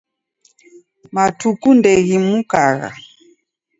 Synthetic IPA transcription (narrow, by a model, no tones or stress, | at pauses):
matukundɛɣimukaɣa̰